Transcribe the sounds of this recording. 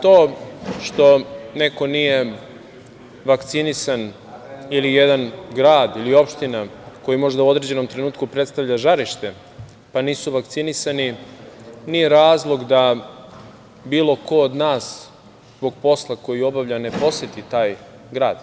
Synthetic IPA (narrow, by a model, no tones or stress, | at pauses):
t̪oːʃt̪o̞ne̞ko̞nije̞ | ʋakt̪sinisan | ilijed̪anɡɾaːd̪ilio̞pʃt̪inako̞jimo̞ʒd̪auo̞d̪ɾe̞d͡ʑe̞no̞mt̪ɾe̞nuːt̪kupɾet̪st̪aʋʎaʒaɾiʃt̪e̞ | paniːsuʋak̚t̪sinisani | nijeɾaːzlˠo̞ɡd̪a | biːlˠo̞ko̞od̪naːs | zbo̞ɡpo̞slˠako̞jio̞baʋʎane̞po̞set̪it̪aːj | ɡɾaːd̪̥